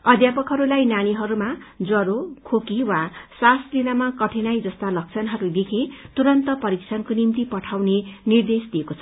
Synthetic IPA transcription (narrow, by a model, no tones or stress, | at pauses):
ʌd̪japʌkɦʌɾulajnañiɦʌɾumad͡zʌɾokʰokiwasaslinamakʌʈʰenajd͡zʌst̪alʌk̚t͡sʰʌnɦʌɾud̪ekʰet̪uɾʌnt̪ʌpʌɾikt͡sʰʌnkonimt̪ipʌʈʰawnenird̪esd̪iekot͡sʰʌ̥